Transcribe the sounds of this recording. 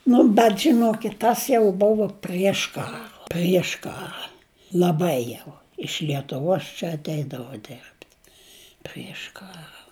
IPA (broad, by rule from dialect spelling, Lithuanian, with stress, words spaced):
ˈnʊ bʲɛt ʒʲɪˈnoːkʲɪt ˈtɐs jɛʊ ˈbʊʋoː pʲrʲiɛʃ ˈkɑːrɐ pʲrʲiɛʃ ˈkɑːrɐ lˠɐˈbɐɪ jɛʊ ɪʃ lʲiɛtʊˈʋoːs t͡ʃʲɛ ɐtʲˈɛɪdɐʋoː ˈdʲɛrʲpʲtʲ pʲrʲiɛʃ ˈkɑːrɐ